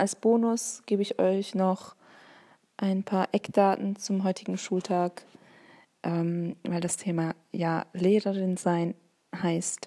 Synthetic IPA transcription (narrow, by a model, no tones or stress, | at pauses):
ʔalsb̥oːnʊsɡ̥eːbəɪçʔɔ̰ʏçnɔχ | ʔaɪnpʰaːɐʔɛkd̥aːtn̩t͡sʊmɦɔʏtʰɪɡŋ̩ʃuːltʰaːk | ʔɛːmvaɪldastʰeːma | jaːleːʁəʁɪnzaɪn | haɪst